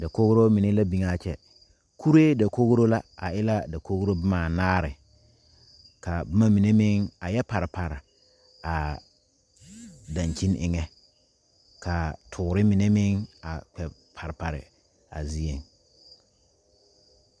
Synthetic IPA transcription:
da˨ko˦ɣɾo˦mɪ˨ne˦la˦bi˨ŋa˦˨t͡ʃɛ˨ | kʰu˦ɾe˦da˨ko˦ɣɾo˦la˦a̰˨ʔɪ˦la˦da˨kʰo˦ɣɾo˦bɪ˦maː˨naː˦ɾɪ˨ | ka˨bɪ˦ma˦mi˨ne˦mɪ˦ŋa˨jɛ˦pa˨ɾɪ˨pa˨ɾɪ˨ | a˨ | da˨ɲt͡ʃi˦nɪ̰˨ŋɛ˦ | kʰa˨tʰʊː˨ɾɪ˦mɪ˨ne˦mɪ˦ŋa˨k͡pɛ˨ | pʰa˨ɾɪ˨pa˨ɾɪ̰˨ | a̰˨zi˦e˨ŋ

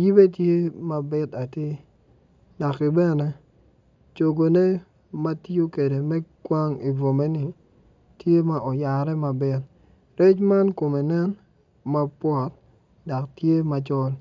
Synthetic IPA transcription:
ji˦be˦tje˦ma˨bɪ˦t̪a˨te˦ | dɔ˨kːi˨bɛ˦nɛ˦ | t͡ʃo˨ɡo˨ne˦ | ma˦to˦ke˨de˨mɛ˦kwa˦ŋi˨vo˨me˦nɪ˨ | tje˦ma˨ʔɔ˨ja˨ɾɛ˦ma˨bɪ˦t̪̚ | ɾɛ˦t͡ʃma˦nko˨me˨nɛ˦n | ma˦pwɔ˨t̪̚ | dɔ˨ktje˦ma˨t͡ʃɔ˦l

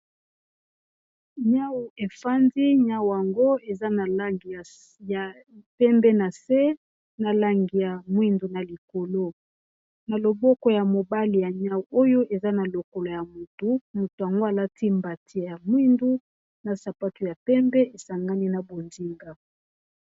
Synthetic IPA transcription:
ɲa˦wu˨e˨fa˦ndi˦ɲa˦wa˨ŋɡo˦e˨za˦na˨la˦ŋɡi˨a˨ | a˨ | pɛ˦mbɛ˦na˨se˦ | na˨la˦ŋɡi˨ja˨mwi˦ndu˨na˨li˨ko˨lo˦ | na˨lo˨bɔ˦kɔ˨ja˨mo˨ba˦li˨ja˨ɲa˦wu˨ʔo˦jo˦ʔe˨za˦na˨lo˨ko˨lo˨ja˨mo˨tu˦mo˨to˨ja˨ŋɡo˦a˨la˦tʰi˦mba˨tʰi˦ja˨mwi˦ndu˦ | na˨sa˨pa˦tu˨ja˨pɛ˦mbɛ˦ʔe˨sa˨ŋɡa˦ni˦na˨bo˨ndi˦ŋɡa˨

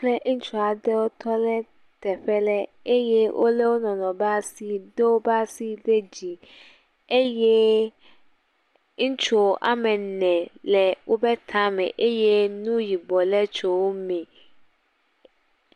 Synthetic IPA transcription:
kle˦ŋ̩˦t͡ʃu˦a˨dɛ˦wo˦t̪ʰɔ˦lɛ˦ | t̪ɛ˨ɸɛ˦lɛ˦e˦je˦wʔo̰˦le˦wo˦nɔ̃˨nɔ̃˨ba˦si˦de˦wo˦ba˦si˦de˦d͡ʑi˨ | e˦je˦ | ŋ̩˦t͡ʃo˨ʔa̰˦mɛ̃˨nɛ̃˨lɛ˨wo˦bɛ˦t̪ʰã˦mɛ̰̃˨ʔe˦je˦nũ˦ji˨bɔ˨lɛ˦t͡ʃo˨wo˦mĩ˨

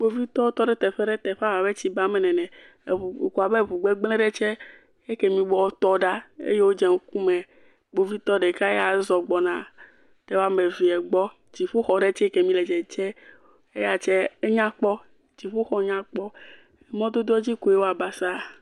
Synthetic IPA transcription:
ɡ͡bo˦vi˦t̪ɔ˦o˦t̪ɔ˦ɖe˦t̪ɛ˨ɸɛ˦ɖe˦t̪ɛ˨ɸa˦wa˨be˦t͡ɕi˦ba˦mɛ˨nɛ̃˨nɛ̃˨ | ku˨a˨be˦˨vu˨ɡ͡bɛ˦ɡ͡blɛ̃˦ɖɛ˦t͡ʃɛ˦ | e˦ke˨mĩ˨bɔ˦wo˦t̪ɔ˦ɖa˦ḛ˦je˦wo˦d͡ʒɛ˨ŋ˦ku˦mɛ̃˨ | ɡ͡bo˨vi˦t̪ɔ˦ɖe˨ka˦e˦ja˨zɔ˨ɡ͡bɔ˨nã˨ | t̪ɛ˦wo˦a˦me˨vi˨ɛ˨ɡ͡bɔ˦ | d͡ʑi˨ɸo˦xɔ˨ɖe˦t͡ʃɛ˦ke˨mĩ˦lɛ˨d͡ʒɛ˨t͡ʃɛ˦ | e˦ja˨t͡ʃɛ˦e˦ɲã˦k͡pɔ˦ | d͡ʑi˨ɸo˦xɔ˦ɲã˦k͡pɔ˦ | e˨mɔ̃˦d̪o˦d̪o˦ɔ˦d͡ʑi˦ko˨je˦wo˦a˨ba˨sa˦˨

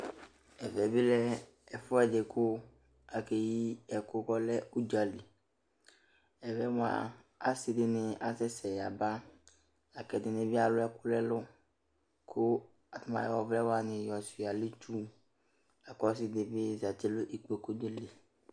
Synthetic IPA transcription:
ɛ˨vɛ˨bɪ˦lɛ˦ | ɛ˨fʊ˦ɛ˨dɪ˨kʰʊ˦ | a˨ke˨ji˦ɛ˨kʊ˦kɔ˦lɛ˦u˦d͡ʒa˨li˨ | ɛ˨vɛ˨m˨a̰˨ | a˨sɪ˨dɪ˦nɪ˨a˨sɛ˦sɛ˨ja˨ba˦ | a˨kɛ˨dɪ˨nɪ̃˨bɪ˦a˨lʊ˦ɛ˦kʊ˦lɛ˦lʊ˦ | kʰʊ˦ | a˨t̪ʊ˦mã̰˨jɔ˨vlɛ˦wa˦nɪ̃˨jɔ˨si˨a˨lɪ˦t͡ʃu˦ | a˨kɔ˦s̬ɪ˦d̪ɪ˨bɪ˦za˨t̪i˦lʊ˦ʔi˨k͡pe˨ko˦d̪e˦le˨

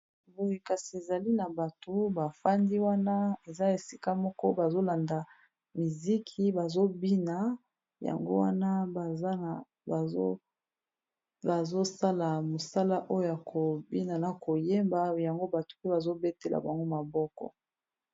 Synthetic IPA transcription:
bo˦je˨ka˨si˨e˨za˨li˦na˨ba˨to˨ba˨fa˦ndi˦wa˦na˦e˨za˦e˨si˦ka˦mɔ˦kɔ˦ba˨zo˦la˨nda˨ | mi˨zi˦kʰi˨ba˨zo˦bi˦na˨ | ja̰˨ŋɡo̰˦wa˦na˦˨˦ | ba˨zo˦sa˦la˨mo˨sa˦la˦ʔo˦jo˦ja˨kʰo˨bi˦na˨na˨ko˨je˦mba˨ja˨ŋɡo˦ba˨to̥˨pba˨zo˦be˦te˦la̰˨ba˨ŋɡo˦ma˨bɔ˦kɔ̰˨

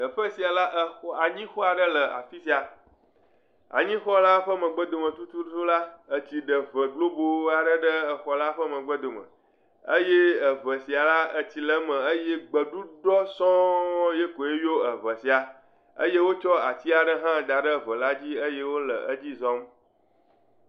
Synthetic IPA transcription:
ə˨ɸə˦si˨a˨la˦ʔə˦xɔ˦a˨ɲĩ˦xɔ˦a˨ɖə˦lə˨a̰˨fi˦si˨a˨ | a̰˨ɲĩ˦xɔ˦la˦ɸə˦mə̃˨ɡ͡bə˦d̪o˨mə̃˨t̪u˦t̪u˦t̪u˦la˦ə˨t͡ɕi˨ɖə˨və˨ɡlo˦bo˦a˨ɖə˦ɖə˦ə˨xɔ˨la˦ɸə˦mə̃˨ɡ͡bə˦d̪o˨mə̰̃˨ | ə˦je˦ə˨və˨si˨a˨la˦ə˦t͡ɕi˨lə˦mə̃˨ə˦je˦ɡ͡bə˨ɖu˦ɖɔ˦sɔ̃˦je˦ko˨e˦jo˦ə˨və˨si˨a˨ | ə̰˦je˦wo˦t͡ʃɔ˦a˨t͡ɕi˦a˨ɖə˦ɦã˦ɖ̪a˨ɖə˦˨və˨la˦d͡ʑi˦ə˦je˦wo˦lə̰˨ʔə˦d͡ʑi˦zɔ̃˦m

